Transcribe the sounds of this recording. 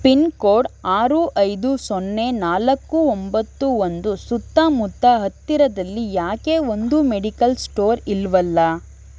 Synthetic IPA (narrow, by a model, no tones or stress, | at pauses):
pinkoːɾɖaːɾuʔɐjd̪usonːe̞naːlɐkːuombɐt̪ːuond̪usut̪ːamut̪ːɐɦɐt̪ːiɾɐd̪ɐlːijaːkeːond̪umeɽikɐlsʈoːɾilʋɐlːɐ